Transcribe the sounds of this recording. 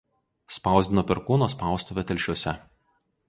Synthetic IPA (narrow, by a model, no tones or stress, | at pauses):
spɑˑʊzʲd̪ʲɪnoːpʲɛɾkuːnoːspɑˑʊst̪uʋʲɛt̪ʲɛlʲˑʃʲuɔsʲɛ